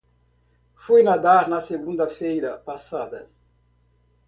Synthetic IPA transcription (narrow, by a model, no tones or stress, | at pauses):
fujnad̪aɾnɐseɡũnd̪ɐfejɾɐpasad̪ɐ